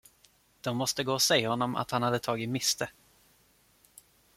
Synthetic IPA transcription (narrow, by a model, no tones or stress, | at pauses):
d̪̥ɔmːɔst̪əɡoːɔsɛjːahɔnːɔmʔa̰t̪hanhad̪ːət̪ʰɑːɡɪtmɪst̪ə